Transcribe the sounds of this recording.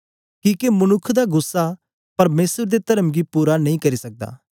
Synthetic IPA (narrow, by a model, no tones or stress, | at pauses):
kiːkemɐnʊkʰːd̪aɡʊsːa | pɐɾmeːsəɾd̪et̪ɐɾəmɡipuːɾanɐ̃ĩkɐɾisɐk̚d̪a̰ː